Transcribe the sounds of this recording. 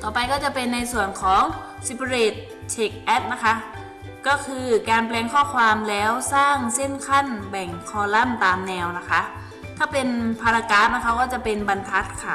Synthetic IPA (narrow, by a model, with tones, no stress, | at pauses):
t̪ɔː˨˩pa˧jkɔː˥˩t͡ɕa˨˧˩pe˧nːa˧jsu˨˩ənkʰɔː˨˦ŋ | si˧pʰa˧ɾeː˧˩t̪̚ | t͡ɕʰeː˨˦˩k̚ʔɛː˦˥t̪̚na˦˥kʰa˦˥ʔ | kɔː˥˩kʰɯː˧kaː˧nplɛː˧ŋkʰɔː˥˩kʰwaː˧mlɛː˦˥wsaː˥˩ŋse˥˩nkʰa˥˩˨nbɛ˨˩ŋkʰɔː˧˩la˥˩˨mt̪aː˨˧mnɛː˧wna˦˥kʰa˦˥ʔ | kʰa˥˩pe˧npʰa˧la˧kaː˦˥˩p̚na˦˥kʰa˦˥kɔː˥˩t͡ɕa˧˩pe˧nba˧nt̪ʰa˦˥t̪̚kʰa˦˥˩